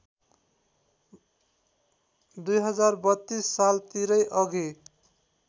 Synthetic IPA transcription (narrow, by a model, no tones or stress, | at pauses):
d̪ujɦʌd͡zarbʌt̪ːisːalt̪iɾʌjʔʌɡʱe